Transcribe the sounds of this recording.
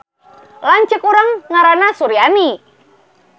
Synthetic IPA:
laɲt͡ʃəkuɾaŋːaɾanasuɾiani

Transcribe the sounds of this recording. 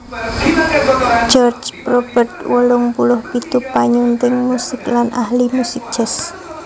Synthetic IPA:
d͡ʒɔrd͡ʒpɾob̥ərt̪wəlʊŋpulʊhpit̪upaɲunt̪ɪŋmusɪklanʔahlimusɪk̚ʒ̥ɛs

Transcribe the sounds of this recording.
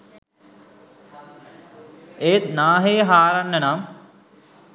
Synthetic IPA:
eːt̪naːɦeːɦaːɾɐnːɐnam

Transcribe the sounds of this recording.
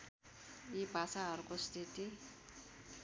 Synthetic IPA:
ibʱasaɦʌɾukost̪ʰit̪i

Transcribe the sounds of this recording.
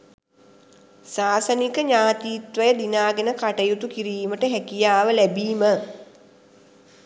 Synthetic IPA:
saːsənikəɲaːt̪iːt̪ʋəjəd̪inaːɡenəkaʈəjut̪ukiɾiːməʈəɦækijaːʋəlæbiːmə

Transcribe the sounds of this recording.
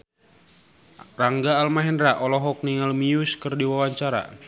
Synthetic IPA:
raŋɡaːlmaɦɛndɾaʔɔlɔɦɔk̚niŋalmiuskɨrdiwawaɲt͡ʃaɾa̰

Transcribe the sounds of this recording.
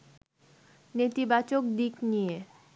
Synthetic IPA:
net̪ibat͡ɕok̚d̪iknije

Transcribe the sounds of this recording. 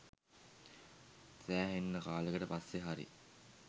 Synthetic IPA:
sæːɦenːəkaːləɡəʈəpasːeɦaɾḭ

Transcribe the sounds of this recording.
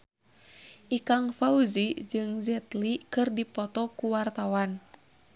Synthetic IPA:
ʔikaŋfauzid͡ʒɨŋzɛt̪likɨrdipɔt̪ɔkuwart̪awan

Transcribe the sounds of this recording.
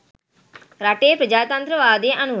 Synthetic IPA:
ɾaːʈeːpɾəd͡ʒaːt̪ə̃nt̪ɾəʋaːd̪eːʔənʊ

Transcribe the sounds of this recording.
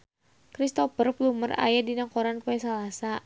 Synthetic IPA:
kɾist̪ɔfərfluməra̰jadinakɔɾankuɛsalasa

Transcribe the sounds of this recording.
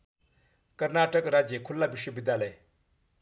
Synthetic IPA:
kəɾnaʈəkɾad͡ʑjekʰulːabiɕwəbid̪jaləj

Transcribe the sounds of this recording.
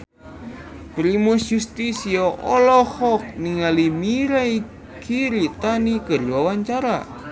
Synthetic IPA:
pɾimusjust̪isioʔɔlɔhɔk̚niŋalimiɾai | kʰiɾit̪anikəɾiwawaɲt͡ʃaɾa̰

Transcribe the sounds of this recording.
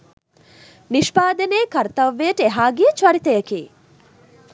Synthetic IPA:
niʂpaːd̪ɐneːkɐɾt̪ɐʋːeːʈeɦaːɡiːt͡ʃʋɐɾit̪ɐjɐkeː

